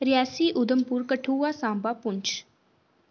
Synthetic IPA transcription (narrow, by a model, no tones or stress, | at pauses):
ɾɪjaːsiːʔʊd̪əmpʊɾkəʈʰuːaːsãːmbaːpʊɲt͡ʃʰ